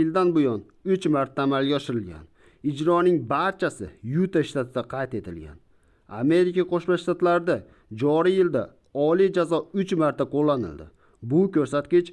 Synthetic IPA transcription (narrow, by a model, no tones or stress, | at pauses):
ɪld̪anbʊjɒn | ʊt͡ʃmaɾt̪ʰːaːmalɡʲaɒʃɪɾɪlɡʲa̰n | ɪd͡ʒɾɒnɪŋbaɾt͡ʃʰasɪ̰jut̪aʃt̪at̪ʰɪd̪aqʰɑjt̪e̞t̪ʰɪlɡʲa̰n | a̰me̞ɾɪkʲaqʰoʃmaʃt̪at̪laɾd̪a | d͡ʒɒɾijɪld̪a | ɒlijd͡ʒazɒʊt͡ʃmaɾt̪ʰaqʰolːanɪ̰ld̪ɪ̰ | bʊkʲɵɾsat̪̚kʲɪt͡ʃ